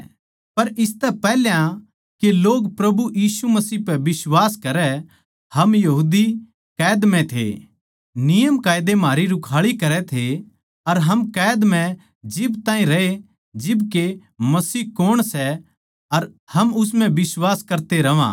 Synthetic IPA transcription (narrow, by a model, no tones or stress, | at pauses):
pɐɾɪst̪ɛpɛːɦljã | keloːɡpɾɐbujiːsumɐsiːɦpɛbɪswaːskɐɾɛ | hɐmjɐɦuːd̪i | kɛːd̪mɛ̃t̪ʰḛ | nɪjəmkaːjd̪emaːɾiɾʊkʰaːɭikɐɾɛt̪ʰe | ɐɾɦɐmkɛːd̪mɛ̃ | d͡ʒɪbt̪aːɦĩɾɐe | d͡ʒɪbkemɐsiːɦkʊɽ̃sɛ | ɐɾ | hɐmʊs̬mɛ̃bɪswaːskɐɾt̪eɾɐʋã̰ː